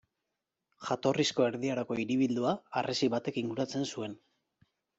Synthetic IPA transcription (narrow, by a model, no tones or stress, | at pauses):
ʝat̪o̞risko̞e̞ɾðiaɾako̞iɾiβ̞ild̪uaːrʔesiβat̪e̞kiŋɡuɾat͡se̞nsue̞n